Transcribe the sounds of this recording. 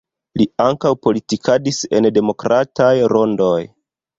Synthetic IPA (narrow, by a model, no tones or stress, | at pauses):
liaŋkawpo̞litikʰadise̞̰nde̞mo̞kɾatʰajɾo̞ndo̞j